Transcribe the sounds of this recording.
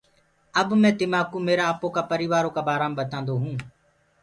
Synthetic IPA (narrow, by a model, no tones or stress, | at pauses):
əbmɛ̃ːt̪ɪmaːkuːmeːɾaːpoːkaːpəɾiːʋaːɾoːkaːbaːɾaːmɓət̪ãːnd̪oːɦũː